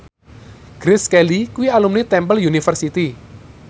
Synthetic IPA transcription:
ɡ̥ɾɪskɛlikuwialumnit̪ɛmpəljunifərsit̪i

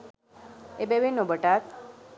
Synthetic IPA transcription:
ebeʋenobəʈat̪

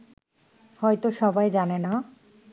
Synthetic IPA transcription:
hɔjt̪oʃɔbajd͡ʑanena

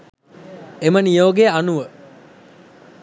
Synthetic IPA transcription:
emənijoːɡeanuʋə

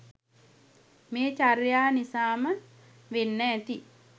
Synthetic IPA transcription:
meːt͡ʃaɾjaːnisaːmə | ʋenːɛːt̪i

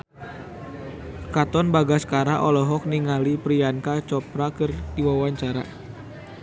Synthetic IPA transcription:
kat̪ɔnbaɡasə̥kaɾaʔɔlɔɦɔk̚niŋalipɾiankat͡ʃɔpɾakɨrd̪iwawaɲt͡ʃaɾa̰

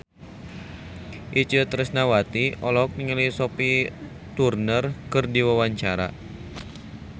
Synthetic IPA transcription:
ʔit͡ʃət̪ɾəsnawat̪iʔɔlɔk̚niŋəlisɔpi | t̪urnərkɨrdiwawaɲt͡ʃaɾa̰

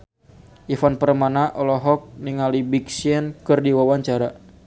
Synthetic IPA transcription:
ʔifanpəɾəmanaʔɔlɔɦɔk̚niŋalibiksiɛnkɨrdiwawaɲt͡ʃaɾa

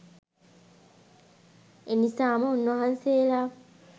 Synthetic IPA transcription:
enisaːmaunːohanseːla

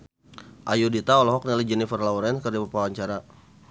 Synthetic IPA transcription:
ʔajudit̪aɔlɔɦɔk̚nilid͡ʒɛnifərlauɾɛnkərd͡ʒabupawaɲt͡ʃaɾa

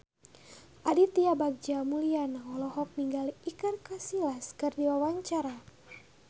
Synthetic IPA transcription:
ʔadit̪iabak̚d͡ʒamulianaɔlɔɦɔk̚niŋɡaliikɨrkasilaskɨrdiwawaɲt͡ʃaɾa

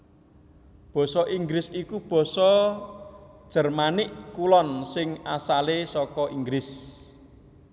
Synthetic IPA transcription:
b̥ɔ̤sɔʔiŋɡɾɪsikub̥ɔ̤sɔ | d̥ʒ̥ə̤rmanɪʔkulɔnsɪŋasalesɔkɔʔiŋɡɾɪs

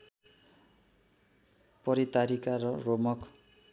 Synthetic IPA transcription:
pʌɾit̪aɾikaɾʌromʌk

